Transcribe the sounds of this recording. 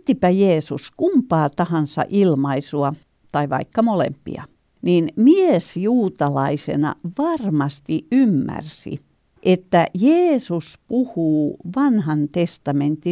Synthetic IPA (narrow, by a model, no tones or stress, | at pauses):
t̪ːipæjeːsuskumpɑːt̪ɑhɑnsɑ̰ʔilmɑisuɑ | t̪ɑiʋɑ̰ikːɑmolḛmpḭɑ̰ | ninmiesjuːt̪ɑlɑisḛnɑ̰ʋɑrmɑst̪iymːæ̰rsḭ | ʔet̪ːæjeːsuspuhuːʋɑnhɑnt̪est̪ɑment̪i